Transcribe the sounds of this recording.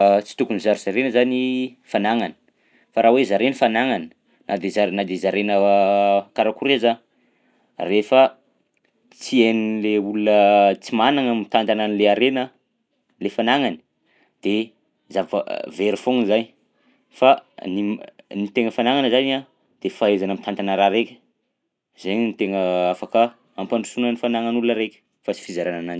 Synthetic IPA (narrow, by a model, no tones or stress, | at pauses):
t͡si̥t̪ukunizaɾz̥aɾenəzanifanaŋanə̥ | faɾawezaɾenəfanaŋanə̥ | nad̪ezanad̪ezaɾenə | kaɾakuɾeza | refə | t͡sienileulunət͡simanaŋəmit̪and̪ananileaɾenə | lefanaŋani̥ | d̪̥e | zavə̰veɾifoŋzaɲ | faninit̪eŋəfanaŋanəzana | d̪̥efaezanamit̪ant̪anəɾaɾekʲə̥ | zeɲnit̪eŋəafakə | ampanɖ͡ʐusunənifanaŋanulunəɾekʲə̥ | fat͡si̥fizaɾananani